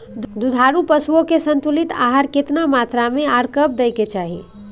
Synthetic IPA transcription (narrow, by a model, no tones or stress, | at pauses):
d̪ud̪ʱaɾupəsuokesənt̪ulit̪a̰ɦaɾkɪt̪namat̪ɾameaɾkəb̚d̪ejket͡ʃaːɦi